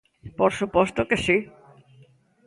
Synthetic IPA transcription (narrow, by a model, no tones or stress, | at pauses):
poɾsupost̪okesi